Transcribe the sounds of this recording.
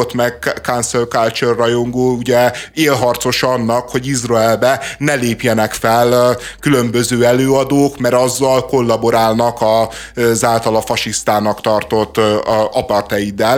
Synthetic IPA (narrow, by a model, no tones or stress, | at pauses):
ot̪mɛɡkanselkalt͡ʃørːɒjoŋɡoːuɟɛeːlɦɒrt̪so̞ʃɒnːɒkho̞ɟizrɒɛlbɛnɛleːpjɛnɛkfɛl | kylø̞mbøzøːɛløːɒd̪oːkmɛɾɒzːɒlko̞lːɒbo̞ɾaːlnɒkɒ | zaːlt̪ɒlɒfɒʃist̪aːnɒkt̪ɒrt̪o̞t̪ːɒpɒrt̪ɛjid̪ɛl